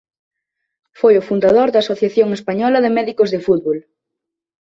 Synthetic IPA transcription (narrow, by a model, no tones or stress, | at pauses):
fojʊfund̪aðoɾðaːsoθjaθjoŋespaɲɔlɐðɪmɛðikozðɪfut̪̚βol